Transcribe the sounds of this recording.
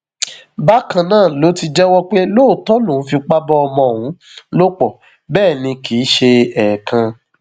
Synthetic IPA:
ba˦kã˧nãː˦˨lo˦ti˧d͡ʒɛ˦wɔ˦k͡pe˦lo˦˨tɔ˦lũ˦˨˦fi˧k͡pa˦bɔ˦ɔ˧mɔ̃˧˨wũ˨˦ | lo˦k͡pɔ˨ | bɛː˦˨nĩ˧kʰi˨˦ʃe˧ɛ˨kʰã˧

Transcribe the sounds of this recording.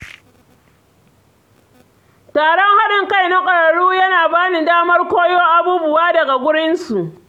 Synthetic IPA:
taː˨ɽɔ˦ŋha˦ɽɪ˨ŋka˦˨jna˦kʷʼɐ˨ɽɐ˨ɽuː˦jɐ˦naː˨baː˦ni˨daː˦mɐ˦rkʷoː˦joː˦ʔa˨buː˦bʊ˨waː˦dɐ˨ɡa˨ɡʷʊ˦ɽɪ˦nsu˨ʔ

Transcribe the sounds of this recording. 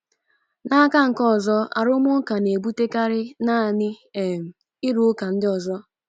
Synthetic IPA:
na˦a˦ka˦ŋ̩˨kɔ˦˨zɔ˦a̰˨ɾʊ˦mʊ˦ka˨ne˨bu˦te˦ka˦ɾɪ˦na˦˨nɪ˦e˨m̩˨ | ɪ˦ɾu˨˦ka˨n̩˦dɪ˦ɔ˨zɔ˦

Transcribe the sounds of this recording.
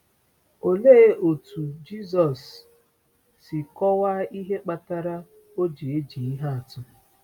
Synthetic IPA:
o˨le˦o˨tʰu˨d͡ʒi˦zɔ˨s | i˨kɔ˦wa˦i˦ɦe˦k͡pa˨ta˦ɾa˦ | o˦d͡ʒi˨e˦d͡ʒi˨i˦ɦa˦a˨tʊ˦

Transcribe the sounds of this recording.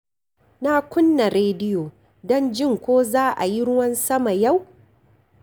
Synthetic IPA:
na˦˨kʷʊ˦nːa˨ɾeː˦dɪ˦joː˨ | dɔ˦nd͡ʒɪ˦˨ŋkʷoː˦zaː˦ʔa̰˨ji˦ɽʊ˦wɐ˦nsɐ˦ma˨ja˦˨w

